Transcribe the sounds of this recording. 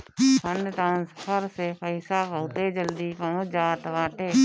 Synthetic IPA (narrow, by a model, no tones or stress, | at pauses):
pʰənd̪t̪ãːnsə̥pʰəɾsepʰəɪsaːbəːt̪eːd͡ʒəld̪iːpəd͡ʒaːt̪ʋãːʈeː